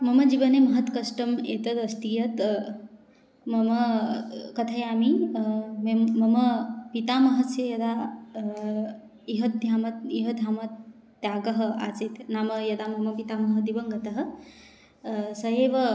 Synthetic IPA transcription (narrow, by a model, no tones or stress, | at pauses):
mɐmɐd͡ʒibɐnemɐɦɐt̪kɐsʈɐmḛːt̪ɐt̪ɐst̪ijɐt̪ | mɐmɐ | kɐt̪ʰɐjaːmi | memɐmɐpit̪aːmɐɦɐsjejɐd̪a | iɦɐt̪̚d̪ʱjaːmɐt̪iɦɐd̪ʱjaːmɐt̪ː | jaːɡɐɦɐ̆a̰ːt͡set̪naːmɐjɐd̪amɐmɐpit̪amɐɦɐd̪ibɐŋɡɐt̪ɐɦɐ̆ | sɐɦeːʋɐ